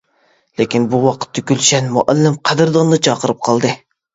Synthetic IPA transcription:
lekʲinbuwɑqʰə̥t̪ʰːykʲylʃɛnmuʔælːɪmqʰæd̪ɪɾd̪ɑnd̪ɨt͡ʃʰɑqəɾɨp̚qʰɑlˠd̪ɨ

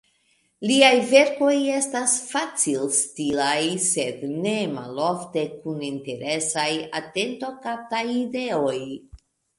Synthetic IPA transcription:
liajve̞ɾko̞je̞stasfat͡silstilajse̞dne̞ma̰lo̞fte̞kuninte̞ɾe̞sajate̞nto̞kap̚tajide̞o̞j

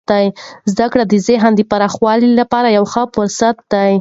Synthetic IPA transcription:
d̪̥ajzd̪akɽad̪əzeɦand̪əpaɾɑxwɑlilapɑɾajawxəfʊɾsat̪̚d̪aj

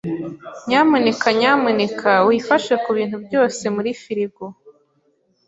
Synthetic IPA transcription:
ɲaːmunekʰaɲaːmunekʰawifaʃwekuβiːnhubjo̞ːse̞muɾifiɾiɡo

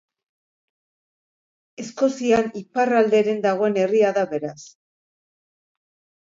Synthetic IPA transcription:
e̞sko̞sianiparald̪e̞ɾe̞nd̪aɣ̞o̞e̞ne̞riaðaβe̞ɾas

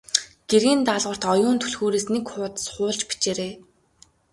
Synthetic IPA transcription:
ɡ̥eɾiːnt̪aɮʁə̆r̥t̪ɔjʊːnt̪ʰɵɮxoːɾeːsnekχʊːt̪ə̥̆sχʊːɮt͡ɕpi̥t͡ɕeːɾeː

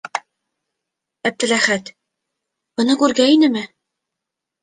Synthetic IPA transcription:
æb̚t̪ɘ̆ɾæχæt̪ | bɤ̆nɤkʉɾɡæinɘmɘ

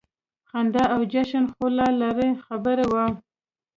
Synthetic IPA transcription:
xand̪aawd͡ʒaʃanxolɑlaɾexabəɾewə

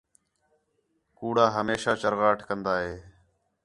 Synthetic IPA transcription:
kuːɽaːɦəmeːʃaːt͡ʃəɾɣaːʈʰkənd̪aːɦeː

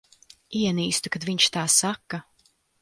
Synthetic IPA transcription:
iɛniːst̪ukad̪viɲt͡ʃt̪aːsakːa

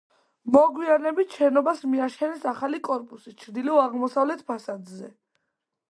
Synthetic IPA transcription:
mɔɡwianɛbit̪ʰʃɛnɔbasmiaʃɛnɛsaχalikʼɔɾpʼusit͡ʃʰɾd̪iliɔaʁmɔsavlɛt̪ʰpʰasad̪zɛ

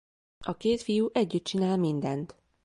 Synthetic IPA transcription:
ɒkeːt̪fijuʔɛɟːyt̪̚t͡ʃinaːlmind̪ɛnt̪

